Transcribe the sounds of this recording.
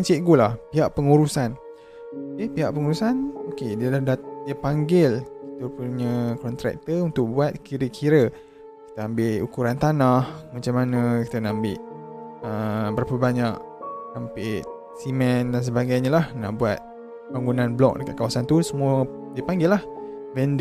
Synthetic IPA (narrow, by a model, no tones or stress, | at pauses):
ant͡ʃiʔɡulahpiɦaʔpəŋuɾusan | kepiɦaʔpəŋuɾusanokediəlahdadiəpaŋɡɪlki̥t̪əpuɲəkɔnt̪ɾɛ̰k̚t̪əunt̪ʊk̚buat̪̚kiɾəkʰiɾə | ki̥t̪əambɪʔukuɾant̪anahmat͡ʃamanəki̥t̪ənaambɪʔəbəɾapəbaɲak | ampɪʔ | simɛndans̬əbaɡajɲəlahna̰ʔbuat̪̚ | baŋɡunanblɔ̰k̚dəka̰t̪̚kawasant̪usəmuə | diəpaŋɡɪlːahvɛnd